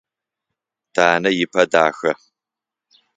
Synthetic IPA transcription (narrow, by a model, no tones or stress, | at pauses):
d̥ʰaːnɐjɪpʰɐdaːxɐ